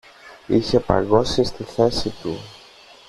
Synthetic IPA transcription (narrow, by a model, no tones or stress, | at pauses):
içe̞pɐ̰ɡo̞sist̪iθe̞sit̪u